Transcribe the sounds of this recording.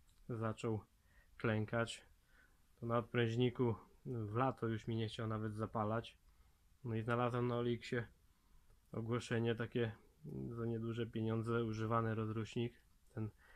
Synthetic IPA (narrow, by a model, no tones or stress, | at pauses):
zat͡ʂɔw | klɛŋkat͡ɕ | t̪ɔnaɔt̪̚pɾɛ̃w̃ʑɲikuvlat̪ɔjuʂmʲiɲɛxt͡ɕawnavɛd̪zapalat͡ɕ | nɔiznalazwamnaɔlʲikɕɛ | ɔ̰ɡwɔʂɛɲɛt̪akʲɛzaɲɛd̪wuʐɛpʲjeɲɔnd̪zɛuʐɘvanɛɾɔzɾuɕɲik | t̪ɛn